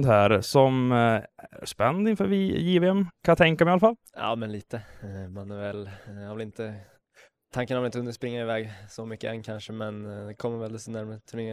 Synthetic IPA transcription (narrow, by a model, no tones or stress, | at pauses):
d̪hæːɾsɔm̰ | ʂpɛnːd̪ɪnfœ̰ːɾʋɪjiːvəɛmkʰaɑt̪ʰɛŋkamɛɪalːafalː | jɑ̰ːmɛnliːt̪əmanæɾvɛljavɪlɪnt̪ə | t̪ʰaŋkːənjaʋlɪnt̪ɵnəʂpɾɪŋːaɾɪvɛːɡsɔmʏkːəʔɛnːkʰanʂəmɛnd̪ɛkʰɔmːəɾvɛld̪ɛsɔnæɾmət̪ʰːɪŋə